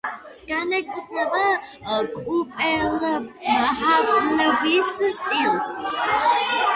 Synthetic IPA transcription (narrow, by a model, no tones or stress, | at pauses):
ɡ̥anɛkʼupʼɛbakʼupʼɛlmaħakʼlvist̪ʼils